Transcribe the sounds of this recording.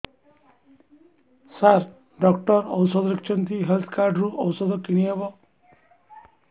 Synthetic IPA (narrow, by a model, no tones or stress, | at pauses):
saɾ | ɖɔk̚ʈɔɾɔ̰wsɔd̪ɔɾik̚t͡ʃʰɔnt̪ʰiɦelt̪ʰkaɾɖɾuʔɔwsɔd̪ɔkiɽ̃iɦebɔ